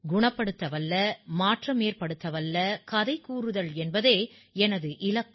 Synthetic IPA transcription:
ɡʊɳɐpːɐɽɯt̪ːɐʋɐlːɐmaːʈrɐmeːɾpɐɽɯt̪ːɐʋɐlːɐkɐðɐɪkuːrɯðɐɭɛnbɐðeː | ɛnɐðɯʔɪlɐ

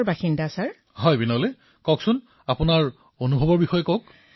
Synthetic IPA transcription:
baxindasaɹ | ɦɔjbinɔle | kɔksʊn | apunaɹ | onubʱɔbɔɹbixɔjɔkok

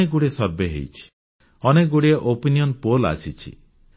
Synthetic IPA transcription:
eɡuɽiesɔɾbeɦḛjt͡ʃʰi̥ | ɔneɡuɽieʔopinijɔnpola̰sʰit͡ʃʰḭ

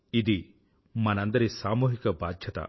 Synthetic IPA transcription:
id̪i | mɐnɐnd̪ɐɾesaːmuːɦikɐbaːd̪ʱjɐt̪ɐ̰

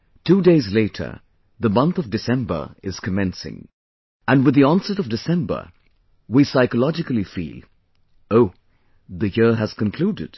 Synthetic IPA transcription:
tʰudeɪzleɪɾʰə̰˞ | ðəmʌ̃nθʌvdɨsɛ̃mbə̰˞ɪz̥kʰɨmɛ̃nsɪ̰̃ŋ | ə̃nwɨðiɑ̃nsəɾʌvdɨsɛ̃mbə̰˞ | wisaɪkəlɑd͡ʒɨkəl̩ˠifḭlˠ | oʊ | ðɨjɪɹɨz̥kə̃nkʰl̥udɨ̰d̥

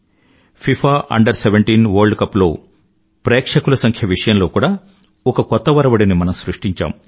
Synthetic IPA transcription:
pʰipʰaːʔɐ̰ɳɖɐɾseʋeɳʈiːnʋɐɾɖkɐpːlo̞ː | pɾeːkʂɐkulɐsɐŋkʰjɐʋiʂɐjɐmlo̞ːkuːɽaː | ɔkɐkɔt̪ːɐʋɐɾɐʋɐɽinimɐnɐmsɾuʂʈiɲt͡ʃa̰ːm

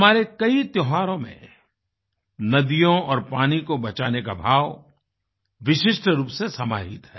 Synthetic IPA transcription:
maːɾekɐit̪jɔɦaːɾõmḛ̃ | nɐd̪ijõɔːɾpaːnikobɐt͡ʃaːnekabʱaːʋ | ʋɪʃɪʃʈəɾuːpsesɐma̰ːɦɪt̪ɦɛː

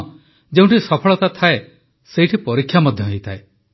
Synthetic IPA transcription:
d͡ʒeũɳʈisɔpʰɔɭɔt̪at̪ʰae | sejʈʰipɔɾikʰːjamɔd̪ʱjɔɦejt̪ʰae

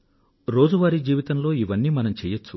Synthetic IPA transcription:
ɾo̞ːd͡ʒuʋaːɾid͡ʒiːʋit̪ɐmlo̞ːiʋɐnːiːmɐnɐmt͡ʃɛːjɐt͡ʃːu

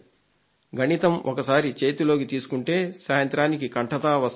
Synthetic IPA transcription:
ɡʱɐnit̪ɐmʔɔkɐsaːɾit͡ʃe̞ːt̪ulo̞ːkit̪iːsu̥kuɳʈe̞ːsaːjɐnt̪ɾaːnikikɐɳʈɐt̪aːʋɐs

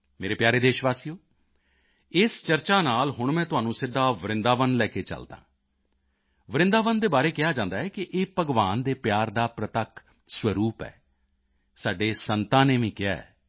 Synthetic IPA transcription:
meːɾeːpjaːɾeːd̪eːʃʋaːsiːoː | ɪst͡ʃəɾt͡ʃaːnaːlɦʊɳmɛ̃ːt̪ʊɦaːnũːsɪd̪ːaːʋəɾɪ̃nd̪aːʋənlɛːkeːt͡ʃə̰ld̪ã̰ː | ʋəɾɪ̃nd̪aːʋənd̪eːbaːɾeːkɪjaːd͡ʒãːnd̪aːɛːkɪʔeːpəɡʋaːnd̪eːpjaːɾd̪aːpɾət̪əkʰ | sʋəɾuːpɛ̰ː | saːɖeːsənt̪ãːneːmĩːkɪja̰ːɛ̰ː

